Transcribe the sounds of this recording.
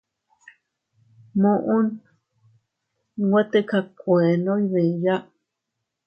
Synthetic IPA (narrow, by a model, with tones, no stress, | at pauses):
mõ˧ʔũ˦n˦ | ɡwʷe˦t̪e˦ka˧kʷe˨nõ˦i˦βẽ˨ja˦